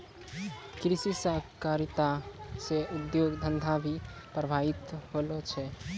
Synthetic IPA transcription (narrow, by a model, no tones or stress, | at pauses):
kɾisisakaɾit̪aseud̪joɡd̪ʱənd̪ʱabʱipɾəbʱait̪ɦolɔt͡ʃʰɛ